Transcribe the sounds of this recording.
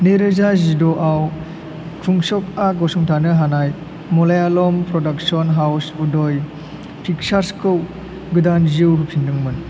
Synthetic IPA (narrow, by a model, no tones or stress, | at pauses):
neɾɯzazidɔʔaw | kʰuŋsɔk̚aɡɔsuŋtʰanɯɦanaj | mɔlajalɔmpɾɔdak̚sɔnɦawsudɔj | pʰik̚saɾskɯw | ɡɯdanziwɦupʰinːɯŋmɯn